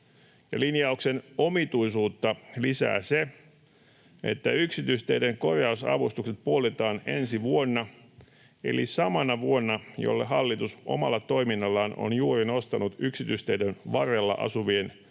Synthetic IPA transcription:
jɑlinjɑuksenomit̪uisuːt̪ːɑlisæ̰ːse | ḛt̪ːæyksit̪yst̪eideŋko̞rjɑusɑ̰ʋust̪ukset̪̚puolt̪et̪ɑːnḛnsiʋuonːɑ | e̞̰lḭsɑmɑnɑʋuonːɑjo̰lːeɦɑlːit̪usʔo̞̰mɑlːɑt̪o̞iminːɑlːɑːno̰njuːrino̞st̪ɑnut̪yksit̪yst̪eidenʋɑrelːɑ̰ʔɑ̰suʋien

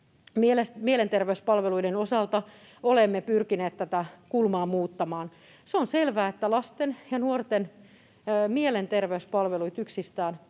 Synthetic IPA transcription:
mielesmielent̪erʋeyspɑlʋeluidenosɑlt̪ɑ | olemːepyrkineːt̪t̪æt̪ækulmɑːmuːt̪ːɑmɑːn | seonselʋæːet̪ːælɑst̪enjɑnuort̪enː | mielent̪erʋeyspɑlʋeluit̪yksist̪æːn

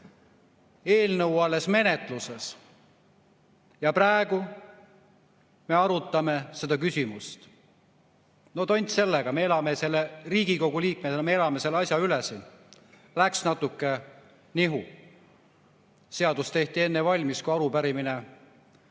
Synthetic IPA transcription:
e̞ːlnɤwɑlːe̞sme̞ne̞t̪ˑluses | jɑpræeɡ̥u | me̞ɑɾut̪ːˑɑme̞se̞d̪ɑk̬ysʲimust̪ | not̪o̞nʲt̪se̞lːeɡ̥ɑme̞e̞lɑme̞se̞lːeriːɡ̥iko̞ɡ̥uliːk̚met̪ːmee̞lɑme̞se̞lːeɑsʲjɑylesin | læksnɑt̪ːukːe | niɦu | se̞ɑd̪ust̪e̞ht̪ie̞nːevɑlʲmiskujɑɾupæɾimine

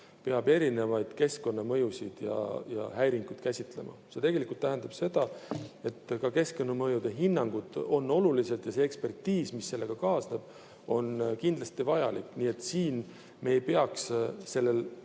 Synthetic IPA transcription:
pe̞ɑbe̞ɾine̞vɑjd̪̥ke̞sko̞nːɑmɤjusid̪̥jɑ̰jɑ̰hæjɾiŋkud̪̥kæsʲit̪ˑle̞̰mɑ̰se̞t̪e̞ɡ̥e̞likˑult̪ːæɦænd̪̥ɑb̥se̞d̪̥ɑe̞t̪ːkɑke̞sko̞nːɑmɤjud̪̥eɦinːɑŋɡ̥ud̪̥o̞nːo̞luliselt̪jɑseekspe̞rt̪ːiːsmisːe̞lːe̞ɡ̥ɑkɑːsneb̥ | o̞nkind̪lɑst̪ivɑjɑlikːniːe̞t̪ːˑsiːn | me̞ːjpeɑksse̞lːe̞l

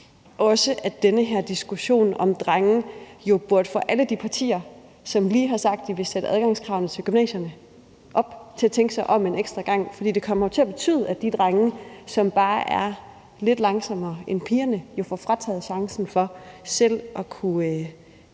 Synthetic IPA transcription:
ʔɒ̽səʔæd̥enəɦæɐd̥isɡ̥uɕo̝̰ːnɒ̽md̥ʁaŋ̩jo̝b̥uɐd̥fɒʔæləd̥ipʰɑ̈t͡sʰḭːɐ | sɒ̽mliːɦɑ̈sɑ̈ɡ̥̚d̥ːiʋe̝sed̥əʔæðˠɡ̥ɑ̈ŋskʰʁɑ̈ʊnð̩ˠt͡sʰe̝lɡ̥ymnɛ̰ːsjɐnə | ʔɒ̽b̥t͡sʰe̝æt͡sʰeŋɡ̥ə̥sɑ̈ɪʔɒ̽me̝neɡ̥sd̥ʁɐɡ̥ɑ̈ŋ̰fɒdḭːd̥e̝kʰɒ̽mɐjo̝t͡sʰe̝æb̥e̝t͡sʰy̰ːð̞ˠæd̥id̥ʁaŋəsɒ̽mb̥ɑ̈ːʔæɐ | le̝d̥lɑ̈ŋsɒ̽mɐːenpʰiːɐnəjo̝fɒ̰fʁɑt͡sʰɛ̰ːð̩ˠɕɑ̈ŋsn̩fɒ̽sel̰ʔɒ̽kʰu

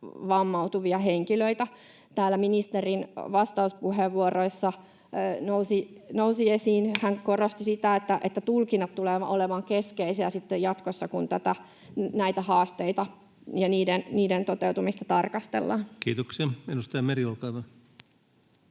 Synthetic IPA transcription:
ʋɑmːɑut̪uʋiɑheŋkiløit̪æ | t̪æːlːæminist̪erinʋɑst̪ɑuspuɦeʋːuoroisːɑ | nousinousiesiːnhæŋkorost̪isit̪æet̪ːæʔet̪ːæt̪ulkinːɑt̪t̪uleːʋɑʔoleʋɑŋkeskeiseæsit̪ːejɑt̪kosːɑkunt̪æt̪æ | næit̪æhɑːst̪eit̪ɑ | jɑniːdenniːdent̪ot̪ewt̪umist̪ɑt̪ɑrkɑst̪ḛlːɑ̰nkiːt̪oksiɑenust̪ɑjɑmeriolkɑːʋɑ

